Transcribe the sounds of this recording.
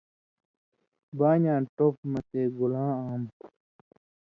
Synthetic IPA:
baːɲãːʈopmɐt̪eːɡulãːaːm

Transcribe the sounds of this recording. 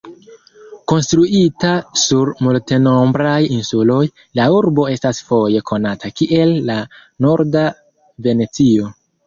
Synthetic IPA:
ko̞nstɾuʔitasuɾmulteno̞mbɾajinsulo̞j | lauɾbo̞e̞stasfo̞je̞kʰo̞natʰakiʔe̞lːa | no̞ɾda | ve̞ne̞t͡sio̞

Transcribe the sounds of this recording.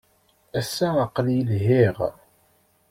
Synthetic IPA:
æsːæəqːljəlɦiʁ

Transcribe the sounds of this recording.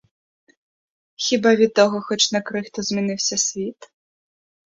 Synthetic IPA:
xʲibavʲit̪ːɔɣɔxɔt͡ɕnɐkɾɨxt̪ɔzʲmʲinɨwsʲɐsʲvʲit̪

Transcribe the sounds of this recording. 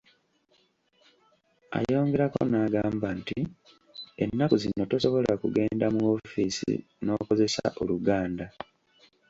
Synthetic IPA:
a̰jo̞ːŋɡe̞ɾako̰naːɡaːmbanti | enːakuzinːo̞toso̞βo̞lakuɡe̞ːndamuo̞fiːsḭ | no̞ːko̞ze̞sa̰ʔo̞luɡaːnda

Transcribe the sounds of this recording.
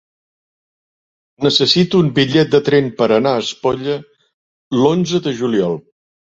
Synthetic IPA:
nəsəsit̪uːmbiʎɛt̪̚d̪ət̪ɾɛmpəɾənaəspoʎə | lonzəðəʒuliɔlˠ

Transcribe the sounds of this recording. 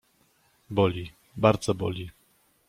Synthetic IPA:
bɔlʲi | baɾd̪zɔbɔlʲi

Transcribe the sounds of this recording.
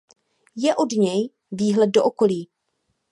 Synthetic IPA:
jɛʔodɲɛj | viːɦlɛd̚doʔoko̞liː

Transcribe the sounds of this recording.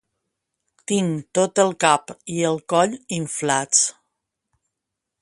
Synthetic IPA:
t̪iŋt̪ot̪əlˠkapiəlˠkɔʎiɱflat͡s

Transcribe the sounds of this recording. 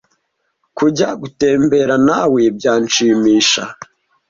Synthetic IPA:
kuɟaɡute̞ːmbe̞ɾanaweb̚ɟaːnt͡ʃiːmiːʃa̰

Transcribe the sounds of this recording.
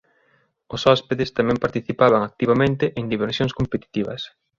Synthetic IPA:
ʊsɔspeðɪst̪amɛ̃mpaɾt̪iθipaβaŋak̚t̪iβamẽnt̪eʔend̪iβeɾsjõŋskompet̪i̥t̪iβɐ̰s

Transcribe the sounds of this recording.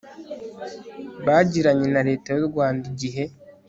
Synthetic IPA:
βaːɟiɾaɲe̞naɾe̞ːtajuɾɡwaːndiɟiɦe̞

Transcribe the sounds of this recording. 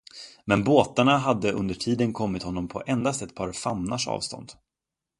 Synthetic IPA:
mɛnboːt̪aɳaɦad̪ːəʔɵ̰nd̪əʈʰiːd̪ənkʰɔmːɪt̪hɔnːɔmpʰɔ̰ʔɛnd̪ast̪ɛt̪̚pʰɑːɾfamnaʂɑ̰ːvst̪ɔ̰nd̪̥

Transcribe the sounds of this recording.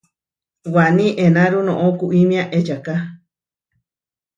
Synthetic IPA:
wanĩʔenãɾunõʔokuʔimĩãʔet͡ʃaka

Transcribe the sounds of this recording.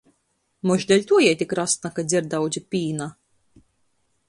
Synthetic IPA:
mɔʒd̪ɛlʲt̪uɔjɛjt̪ʲikɾast̪nakad̪zʲiɾd̪awd̪zʲipʲiːna

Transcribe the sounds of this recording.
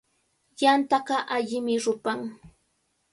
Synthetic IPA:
jant̪ɑɢɑʔaʎɪmɪɾʊpaŋ

